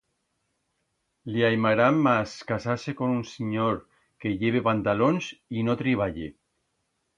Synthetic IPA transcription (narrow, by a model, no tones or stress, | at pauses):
liajmaɾamːaskasasekonunsiɲoɾ | keʎeβepant̪alonsinot̪ɾiβ̞aʎe